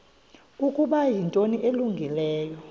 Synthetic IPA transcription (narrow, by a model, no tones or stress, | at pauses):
ukʼuɓajintʼoniʔeluŋɡʱilɛːjɔ